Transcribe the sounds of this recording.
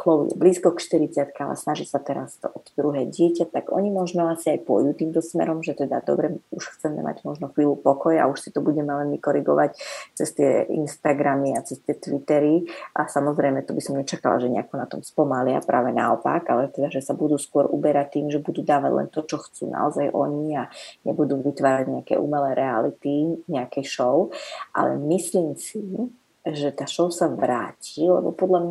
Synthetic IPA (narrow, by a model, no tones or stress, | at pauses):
xlɔʋḭɛ̰bliːskɔkʃt̪iɾit͡sɪat̪kaalɛ̰snaʒisat̪ɛɾast̪ʔɔt̪d̪ɾuɦɛːɟɪɛcat̪aɡɔ̰ɲimɔʒnɔasiajpʊɔ̰juːt̪iːmt̪ɔsmɛ̰ɾɔmʒɛt̪ɛd̪a̰d̪ɔ̰bɾɛuʃxt͡sɛmɛ̰mʔa̰ɟmɔʒnɔxʋiːlupɔkɔja̰uʃsi̥t̪ɔbuɟɛmɛlɛnʋikɔɾiɡɔʋact͡sɛst̪ɪɛḭnst̪aɡɾamiat͡sɛst̪ɪɛt̪ʋit̪ɛɾiʔasamɔzɾɛjmɛt̪ɔbisɔmɲɛt͡ʃaka̰la̰ʒɛɲɛ̰akɔnat̪ɔmspɔmalɪa̰pɾa̰ːʋɛna̰ɔpa̰ɡalɛt̪ɛd̪aʒɛsabud̪uːskʊɔɾʔubɛɾac̚t̪ːiːmʒɛbud̪uːd̪aːʋa̰ɟlɛ̰nt̪ɔt͡ʃɔxt͡sṵːna̰ɔzajʔɔ̰ɲiaɲɛbud̪uːʋit̪ʋaːɾaɟɲɛakɛ̰ʔṵmɛlɛːɾʔɛalit̪iɲɛakɛjʃɔʊʔa̰lɛ̰misliːmsi | ʒɛt̪aːʃɔʊsaʋɾaːciːlɛ̰bɔpɔd̪ʎamɲa